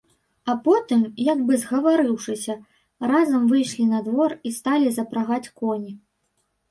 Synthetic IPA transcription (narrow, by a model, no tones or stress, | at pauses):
ɐpɔt̪ɨmjɐɡbɨzɣɐvaɾɨwʂɨsʲɐ | razɐmvɨjʂlʲinɐd̪vɔrist̪alʲizɐpɾaɣat͡sʲkɔnʲi